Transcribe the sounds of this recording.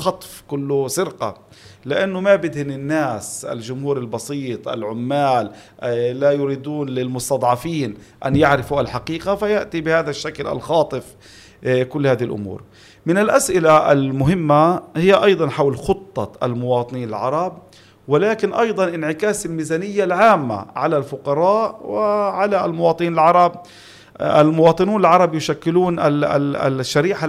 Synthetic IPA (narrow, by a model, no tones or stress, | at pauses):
xɑt̪ˤfkʊlːʊsɪɾqa̰ | lɪʔanːʊmabɪd̪hɪnɪnːaːsʔa̰lʒʊmhuːɾɪlbɑsˤiːt̪ˤʔa̰lʕʊmːaːlː | ajʊɾiːd̪uːnlɪlmʊst̪ɑd̪ˤʕɑfiːnʔa̰njaʕɾɪfuʔalħaqiːqafajaʔt̪ibɪhaːðaʃːaklʔa̰lxɑːt̪ˤɨf | kʊlːhaːðhɪlʔʊ̰mṵːɾ | mɪnɪlʔasʔɪlaʔa̰lmʊɦɪmːahɪjːaʔɑjd̪ˤɑnħawlxʊt̪ˤːɑ̰ʔa̰lmʊwɑːt̪ˤɨniːna̰lʕɑ̰ɾˤɑb̚ | wɪlaːkɪnʔɑjd̪ˤɑnʔɪnʕɪkaːsɪlmiːzaːnɪjːalʕaːmːa̰ʕalalfʊqɑɾˤɑːʔwɪʕalalmʊwɑːt̪ˤɨniːnalʕɑɾˤɑb | almʊwɑːt̪ˤɨnuːnalʕɑɾˤɑbjʊʃakːɪluːnʔa̰ | ʃːaɾiːħa